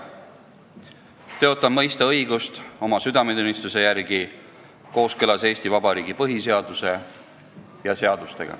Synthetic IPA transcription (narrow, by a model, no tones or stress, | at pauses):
t̪e̞ot̪ːˑɑnmɤjst̪ɑɤjɡ̥ust̪o̞mɑsyd̪ɑmed̪unist̪use̞jærɡ̥i | ko̞ːskɤlɑse̞ːst̪ivɑbɑɾiːɡ̥ipɤɦise̞ɑd̪use̞ | jɑse̞ɑd̪̥ust̪e̞̰ɡ̥ɑ̰